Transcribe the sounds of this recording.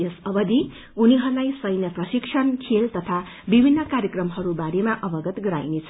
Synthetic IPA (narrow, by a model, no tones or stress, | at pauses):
esʌbʌd̪i | uniɦʌɾulajsʌjnjʌprʌsiksʰʌnkʰelt̪ʌt̪ʰa | bibʱinːʌkaɾjʌkrʌmɦʌɾubaɾemaʔʌbʌɡʌt̪ɡʌɾa̰jnet͡sʰʌ̥